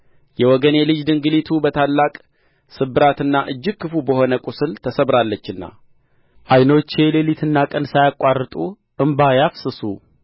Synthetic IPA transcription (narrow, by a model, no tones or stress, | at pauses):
jɛwɔɡənjɛlɨd͡ʒd̪ɨŋɡɨlit̪ʰubət̪ʰalːakʼ | sɨbːɨɾat̪ɨnːaʔɨd͡ʒːɪɡ̚kʰːɨfubəho̞nəkʷʼusɨlt̪ʰəsəβɾalːət͡ʃːɨnːa̰ | ʔajnot͡ʃːe̞lelit̪ʰɨnːakʼənsajakʷʼwarːɨt̪ʼu | ʔɨmbajafsɨsu